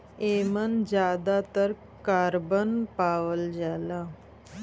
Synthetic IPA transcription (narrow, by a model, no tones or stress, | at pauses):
emənd͡ʑad̪at̪əɾ | kaɾbənpaʋəld͡ʑala